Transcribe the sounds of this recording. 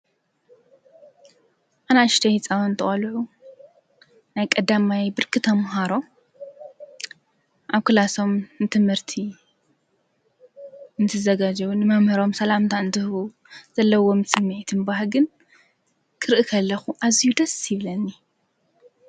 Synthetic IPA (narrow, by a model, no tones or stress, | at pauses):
ʔanaʃt̪ʰɐjt͡sʼawnt̪ʰɨχʼɐlʕu | najkʼɐd̪amajbɨɾkʰɨt̪ʰɐmɦaɾo̞ | ʔaβkɨlaso̞mnɨt̪ʰɨmhɨɾt̪ʰi | ɨnt̪ʰɨzɐɡad͡ʒɨβunɨmɐmhɨɾo̞msɐlamt̪ʰaɨnt̪ʰɨhu | z̥ɐlːɐwo̞msɨmːet̪ʰɨnbaɦɡɨn | kʰɨɾʔikʰɐlːɐxuʔazijud̪ɐsjɪβlɐnːi